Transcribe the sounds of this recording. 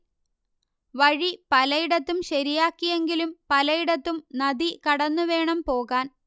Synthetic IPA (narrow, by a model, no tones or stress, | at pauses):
ʋɐɻipɐlɐjiɽɐt̪ːumɕɐɾijaːkːije̞ŋɡilumpɐlɐjiɽɐt̪ːumnɐd̪ikɐɽɐnːuʋe̞ːɳɐmpo̞ːɣaːn